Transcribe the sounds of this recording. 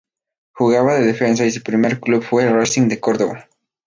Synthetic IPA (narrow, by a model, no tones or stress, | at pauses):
xuɣaβaðeðefẽns̬ais̬upɾimeɾkluβfwerasiŋd̪ekoɾðoβa